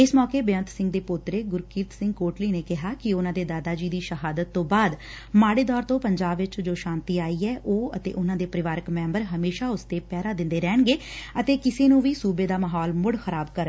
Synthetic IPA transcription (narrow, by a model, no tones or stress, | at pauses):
ɪsmɔːkeːbeə̃nt̪sɪ̃ŋɡd̪eːpʊt̪ɾeːɡʊɾkiɾt̪sɪ̃ŋɡkoːʈliːneːkɪɦaːkɪʊnãːd̪eːd̪aːd̪aːd͡ʒiːd̪iːʃəɦaːd̪ət̪ːõːbaːd̪ | maːɽeːd̪ɔːɾt̪õːpəɲd͡ʒaːbʋɪt͡ʃd͡ʒoːʃãːnt̪iːaːiːɛːʔoːət̪ḛːʔʊnãːd̪eːpɾɪʋaːɾəkmɛ̃ːmbəɾɦəmeːʃaːʊst̪eːpɛːɾaːd̪ɪ̃nd̪eːɾɛːɳɡeːət̪eːkɪseːnũːʋiːsuːbeːd̪aːmaːɦɔːlmʊɽxəɾaːbkəɾ